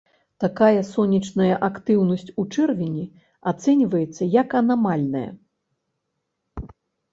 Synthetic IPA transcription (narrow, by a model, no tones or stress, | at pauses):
t̪akajɐsɔnʲːit͡ʂnɐjɐʔakt̪ɨwnɐsʲt͡sʲut͡ʂɛrvʲinʲi | at̪sɛnʲvɐjɛt̪sːɐjɐkɐnamalʲnɐ̰jɐ̰